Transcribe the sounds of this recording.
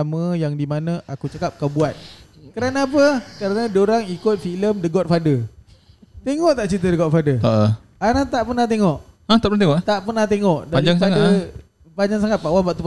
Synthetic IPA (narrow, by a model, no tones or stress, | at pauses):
amə̃jaŋdimanə̃ʔakut͡ʃakap̚kawbuat̪̚ | kəɾanapəkəɾanə̃doɾaŋikʊt̪̚filəmdəɡɔt̪̚fadə | t̪eŋɔʔt̪aʔt͡ʃit̪̬ədəɡɔt̪̚fadəaʔ | anat̪aʔpərnaht̪eŋɔʔat̪aʔpəɾnat̪eŋɔʔt̪aʔpərnaht̪eŋɔʔdaɲid͡ʒaŋspaŋdə | paɲd͡ʒaŋsaŋat̪̚paʔwabaʔt̪up